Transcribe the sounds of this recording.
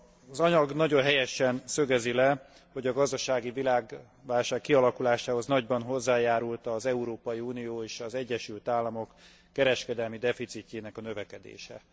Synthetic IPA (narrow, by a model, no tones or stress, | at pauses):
ɒzɒɲɒɡnɒɟo̞nɦɛjɛʃɛnsø̞ɡɛzilɛ | ho̞ɟɒɡɒzd̪ɒʃaːɡivilaːɡ | ʋaːlʃaːkːiɒlɒkulaːʃaːɦo̞znɒɟbɒnɦo̞zːaːjaːɾult̪ɒzɛuɾoːpɒjiuːnijoːeːʃɒzɛɟːɛʃylt̪aːlːɒmokː | ɛɾɛʃkɛd̪ɛlmid̪ɛfit̪sicːeːnɛkɒnø̞vɛkɛd̪ḛːʃɛ̰